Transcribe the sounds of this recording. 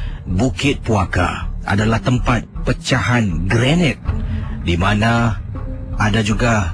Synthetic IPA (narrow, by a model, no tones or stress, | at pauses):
bukɪt̪̚puaka̰ʔa̰dalaht̪əmpat̪̚pət͡ʃaɦanɡɾɛnɛt̪̚dimana | adad͡ʒuɡa